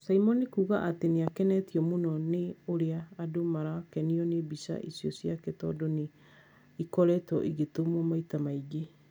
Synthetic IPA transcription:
saimɔnikuːɣaʔateneakɛnɛtiɔmonɔneoɾeaːdomaɾakɛniɔnebisa̰ʔisijɔsjakɛtɔ̰dɔne | ikɔɾɛtɔ̰ʔiɣetomɔmaitamaiɡe

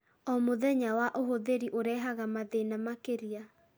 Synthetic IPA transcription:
ɔmoðɛɲawaʔoɦoðeɾiʔoɾɛːɦaɣamaðenamakeɾia

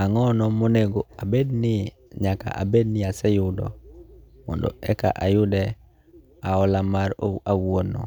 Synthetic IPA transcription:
aŋɔnɔmoneɡoabednɪ | ɲaka̰ʔa̰bed̚nɪasɛjʊdɔ̰ | mɔ̰ndɔ̰ɛka̰ʔajʊdɛ | aɔlamaɾo̰ʔawwonɔ̰

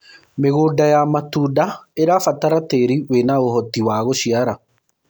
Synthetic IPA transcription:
meɣoːdajamatudaeɾaːfataɾateɾiwenaoɦɔtiwaːɣoɕiaɾa

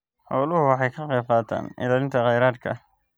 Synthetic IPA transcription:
ħɔːlʊɦʊwɑħɑjkʰɐqɛːbqɑːt̪ʰa̰ːnʔɪ̰laːlɪnt̪ʰɐqɑjɾaːd̪kʰɐ̰

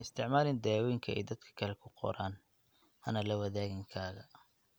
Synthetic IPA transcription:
ɪst̪ʰɪʕmaːlɪnd̪ɛwɛŋkʰɐɛ̰jd̪ɐd̪̚kʰɐ̥kʰɐlɛkʰʊqɔ̰ɾaːn | hɐnɐlɐwɐðaːɣɪŋkʰaːɣɐ

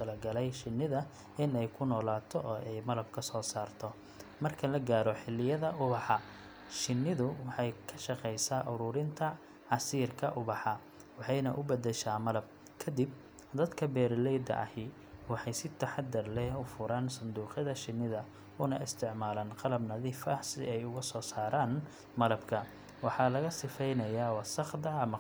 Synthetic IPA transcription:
t̪ʰɐlɐɡɐlɛjʃɪnːɪðɐ | ɪnɛjkʰʊnɔːlaːt̪ʰɔʔɔːʔɛjmɐlɐb̚kʰɐsɔːsaːrt̪ʰɔ | mɐrkʰɐlɐɡaːɾɔħɪlːɪjɐðɐʔʊβɑħɑ | ʃɪnːɪðʊwɑħɑjkʰɐʃɑqɛjsaʔʊɾʊːɾɪnt̪ʰɐ | ʕɑsiːrkʰɐʔʊβɑħɑ | wɑħɑjnɐʔʊbɐd̪ɛʃaːmɐlɐb̚ | kʰɐd̪ib | d̪ɐd̪kʰɐbɛːɾlɛjd̪ɐ̰ʔɐ̰hɪ | wɑħɑjsɪt̪ʰɐħɑd̪ɐrlɛhʊfʊɾʔaːnsɐnd̪uːqɪðɐʃɪnːɪðɐ | ʊnɐʔɪst̪ʰɪʕmaːlaːnqɑlɐbnɐðiːfɐsɪ̰ɛjʊɣɐsɔːsaːɾaːn | mɐlɐbkʰɐ | wɑħɑlɐɣɐsɪfɛjnɐjaːwɑsɐχd̪ɐɐmɐ

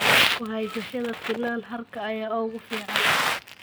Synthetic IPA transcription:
kʊɦɛjsɐʃɐðɐfɪlaːnɦɐrkʰɐːjaːɔːɣʊfiːʕɑn

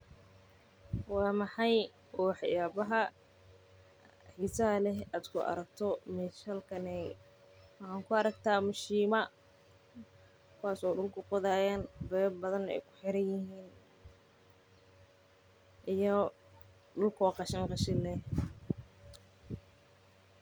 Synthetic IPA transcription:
wɑːmɑħɑj | ʔɔːħɑjaːbɐɦɐ | ħiːsɐɐlɛɦaːd̪kʰʊʔɐ̰ɾɐk̚t̪ʰɔmɛʃɐlkʰɐnɛ | aːŋkʰʊɐɾɐkt̪ʰaːmʊʃiːmɐ | kʰʊwaːsɔːɖʊlkʰʊqɔðaːjaːnbɛːbbɐðɐnɛ̰jkʰʊ̥ħɪɾɐnjɪhiːn | ʔɪjɔ | ɖʊlkʰɔːqɑʃɐŋqɑʃɪlːɛh

